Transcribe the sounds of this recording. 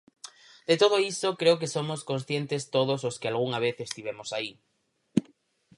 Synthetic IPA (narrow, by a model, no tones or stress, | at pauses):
d̪̥et̪oð̞oisokɾeok̬esomoskonsθjent̪est̪oðososkealɣ̞uŋaβ̞eθest̪iβ̞emosai